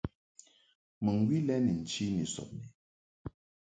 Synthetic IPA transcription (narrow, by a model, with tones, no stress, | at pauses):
mə˨ŋ˨ɡwi˦lɛ˦ni˨n̩˨t͡ʃi˦ni˨sɔ̰˨p̚ni˨